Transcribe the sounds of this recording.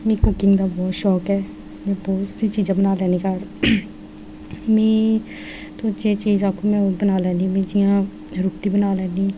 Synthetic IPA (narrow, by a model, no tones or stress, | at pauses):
mĩːkʊkɪ̃ŋɡd̪aːbɔːt̪ʃɔːkɛː | mɛ̃ːbɔːt̪siːt͡ʃiːzãːbənaːlɛːniːkəɾ | mɛ̃ː | t̪oːt͡ʃeːt͡ʃiːzãːkʰõːmɛ̃ːbənaːlɛ̃ːnd̪ĩːmẽːd͡ʒɪjãː | ɾʊpʈĩːbənaːlɛ̃ːnd̪ĩː